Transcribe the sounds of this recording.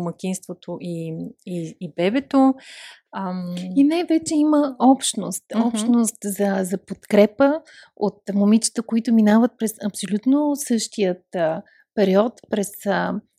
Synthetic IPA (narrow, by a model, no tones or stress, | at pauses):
məkʲinst̪vot̪ʰoʔiiːbɛbɛt̪o | inajvɛt͡ʃɛiməɔpʃnost̪ɔpʃnost̪zɐzɐpot̪kɾɛpə | ot̪momit͡ʃə̥t̪əkoit̪ʊminavət̪̚pɾɛsɐpsolʲut̪nosɤʃt̪ijət̪ | pɛɾiɔt̪pɾɛsə